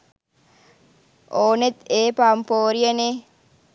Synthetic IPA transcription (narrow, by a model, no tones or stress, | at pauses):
ʔoːnet̪eːpampoːɾijɐneː